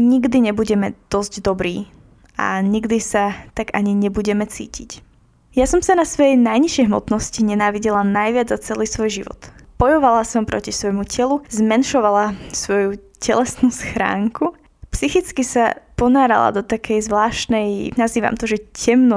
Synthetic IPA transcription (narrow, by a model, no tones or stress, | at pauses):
ɲiɡd̪iɲɛbuɟɛmɛd̪̥ɔzɟd̪ɔbɾiː | a̰ɲiɡd̪isat̪aɡaɲiɲɛbuɟɛmɛt͡sḭːcic | jasɔmsanasʋɔjɛjnajɲiʃjɛjɦmɔ̰t̪nɔsciɲɛnaːʋiɟɛlanajʋɪad͡zat͡sɛliːsʋɔjʒiʋɔ̰t̪b̥ɔjɔʋalasɔmpɾɔ̰cisʋɔjmucɛluzmɛnʃɔʋalasʋɔju | cɛlɛsnuːsxɾa̰ːŋku | psixit͡skisa̰pɔnaːɾa̰lˠa̰d̪ɔt̪akʰɛjzʋlaːʃt̪nɛjnaziːʋa̰mt̪ɔʒɛcɛmnɔ